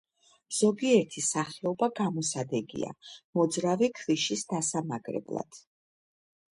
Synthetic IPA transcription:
z̥ɔɡiɛɾt̪ʰisaχɛɔbaɡamɔsad̪ɛɡḭa̰mɔd̪zɾavikʰviʃisd̪asamaɡɾɛ̰blˠa̰d̪̥

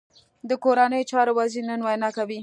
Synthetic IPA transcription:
d̪əkoɾanəjot͡ʃɑɾowaziɾnənwajnɑkawi

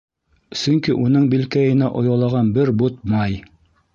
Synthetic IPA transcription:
sɵŋkiʔunɤɴbilkæjɘ̆næʔŏjɑlˠɑʁɑnbɘɾbut̪̚mɑj

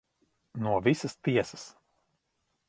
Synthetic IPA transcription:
nuɔvʲisɐst̪iɛsɐs

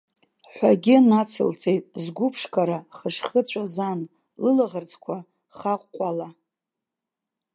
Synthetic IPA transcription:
ħʷaɡʲɪnat͡sʰɨ̰lt͡sʰʼejtʼzɡʷʊpʰʂkʰʼaɾaχəʂχət͡ɕʷʰʼazan | lɨlaʁərt͡sʰʼkʷʰa | χaqʷːʼala

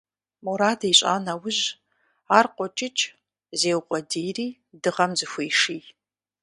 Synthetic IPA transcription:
muɾaːdeɕʷʼa̰ːnawʊʒ | arqʷʼɔt͡ʃʼɪt͡ʃʼ | zeːwqʷʼɔdiːriː | dɨʁɐmzɨxʷejʂiː

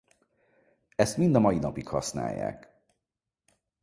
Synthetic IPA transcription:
ɛst̪mind̪ɒmɒjinɒpikhɒ̰sna̰ːjːa̰ːk

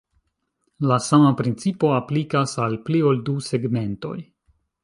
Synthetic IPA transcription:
lasamapɾint͡sipo̞aplikasalpliolduse̞ɡme̞nto̞̰j

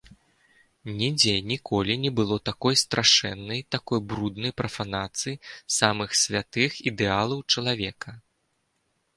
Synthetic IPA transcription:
nʲɛd͡zʲɛnʲikɔlʲinʲɛbɨlˠɔt̪akɔjst̪ɾʔaʂɛ̰nːɐjt̪akɔjbɾud̪nɐjpɾɐfanat̪sɨjisamɨxsʲvʲat̪ɨxid̪ɛalˠɐwt͡ʂɐlˠavʲɛkɐ

